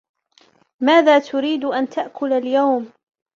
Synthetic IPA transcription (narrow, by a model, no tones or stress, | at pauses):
maːðaːt̪ʊɾiːd̪ʔant̪ʰaʔkʰʊlaljawm